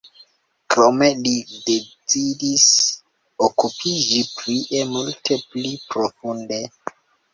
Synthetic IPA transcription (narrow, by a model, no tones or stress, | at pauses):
kɾome̞lidet͡sidis | okupʰid͡ʒipliʔemultʰeplipɾofunde